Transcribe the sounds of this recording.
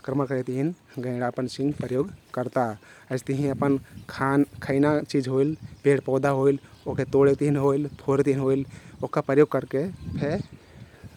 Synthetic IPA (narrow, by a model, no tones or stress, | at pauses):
kɾəməɾkəɾɛt̪iɦinɡə̃ɪ̃ɽaəpənsĩŋɡpɾəjoːɡkəɾt̪aəɪst̪əɦĩəpənkʰankʰəɪnat͡ʃid͡ʒɦoilpeɽpɔːd̪aɦoil | oket̪oɽet̪iɦinɦoilpʰoɾt̪ɦinɦoilokapɾəjoːɡ̚kəɾkepʰe